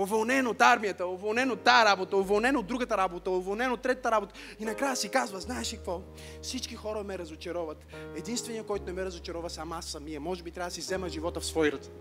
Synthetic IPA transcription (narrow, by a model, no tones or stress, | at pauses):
ovolˠnɛnot̪aɾmijət̪əovolˠnɛnot̪ːaəɾabot̪əovolˠnɛnod̪ɾuɡət̪əɾabot̪əovolˠnɛnot̪ːɾɛt̪ət̪əɾabot̪ə | inɐkɾajəsikazvəznaɛʃikɐkvɔ | fsit͡ʃkixɔɾəmɛɾɐzot͡ʃɛɾɔvɐt̪ɛd̪inst̪vɛnijəkɔjt̪ʊnɛmɛɾɐzot͡ʃɛɾɔvɐsamasːɐmiəmɔʒɛbit̪ɾʲavəd̪əsizɛməʒivɔt̪əfsvɔjɾət̪